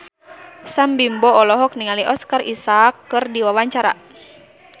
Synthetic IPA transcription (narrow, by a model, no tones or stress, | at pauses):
sambimbɔːlɔɦɔk̚niŋaliʔɔskarisakːɨrdiwawaɲt͡ʃaɾa̰